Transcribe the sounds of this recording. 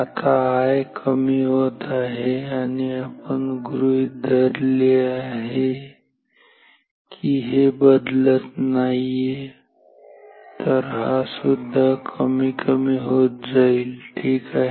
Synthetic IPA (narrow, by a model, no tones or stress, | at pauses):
at̪ʰaajkʰəmiɦot̪aɦeaːniəpənɡɾuid̪əɾleaɦe | kʰiɦebəd̪lət̪naːie | t̪əɾɦasʊd̪ʱːakʰəmikʰəmiɦot̪̚d͡ʒailʈʰiːkaɦe